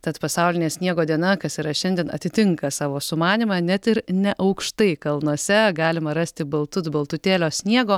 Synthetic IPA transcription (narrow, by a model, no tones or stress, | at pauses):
t̪ɐt̪pɐsɑʊlʲɪnʲeːsʲnʲiɛɡoːd̪ʲiɛnɐkɐsiɾɐʃʲɛnʲd̪ʲiɛnɐ̰t̪ʲɪt̪ʲɪŋkɐsɑːʋoːsʊmɑːnʲimɑnʲɛt̪ɪɾnʲɛʔɐʊkʃt̪ɐɪkɐlˠnuɔsʲɛɡɑːlʲɪmɐɾɐsʲt̪ʲɪbɐlˠt̪ʊt̪bɐlˠt̪ʊt̪ʲeːlʲoːsʲnʲiɛɡoː